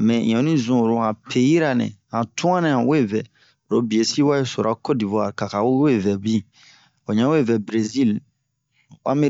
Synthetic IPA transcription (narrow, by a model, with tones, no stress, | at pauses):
mɛ̃˨ɲɔ̃˨nĩ˦zũ˨ɾo˨a˨pʰe˨ji˦ɾa˨nɛ̰̃˨ã˨tu˦ã˦nɛ̃˨ã˨we˦˨vɛ˨ | ɾo˦bi˨e˨si˦wa˦je˦so˨ɾʔa˦ko˦di˨vɔ˨a˨ɾka˨ka˨wwe˦˨vɛ˨bi˦˨ | o˨ɲã˦we˦˨vɛ˨bɾe˨zi˦˨l | a̰˦me˦